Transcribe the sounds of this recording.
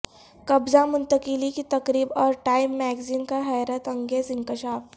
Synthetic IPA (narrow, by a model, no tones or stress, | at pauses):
kɐbzamʊnt̪əkilikit̪ɐkɾiːbɔːɾʈaimːɛɡziːnkaɦajɾət̪ɐ̃ŋɡeːzɪŋkɪʃaːf